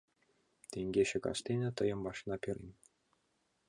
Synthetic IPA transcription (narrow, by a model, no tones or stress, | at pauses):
t̪ʲeŋʲɡʲeɕɘ̆kɑ̰ʃt̪ʲenʲɘ̆t̪ɤ̆jɤ̆mbɑʂnɑpʲiɾʲḭmʲ